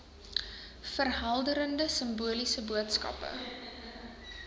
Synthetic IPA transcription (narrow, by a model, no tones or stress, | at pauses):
fərɦɐlˠdəɾəndəsəmbuəlisəbuətskɐ̰pə̰